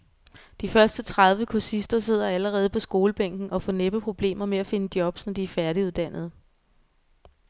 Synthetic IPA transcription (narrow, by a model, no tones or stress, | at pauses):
d̥ifɶɐsd̥ət͡sʰʁað̞ˠʋəkʰusisd̥ɐse̝ð̞̰ˠɐæləʁɛːð̞̩ˠpʰɒ̽sɡ̥o̝ːləb̥eŋ̰ɡ̥n̩ʔɒ̽fɒ̽neb̥əpʰʁo̝b̥le̝̰ːmɐmeæfe̝nəd̥jɒ̽b̥snɒd̥iæɐfæɐɾ̥iuð̞ˠd̥æn̰ð̞̩ˠ